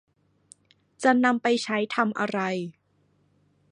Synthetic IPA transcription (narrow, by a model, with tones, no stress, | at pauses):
t͡ɕa˨˩na˧mpa˧jt͡ɕʰa˦˥jt̪ʰa˧mʔa˧ɾa˧j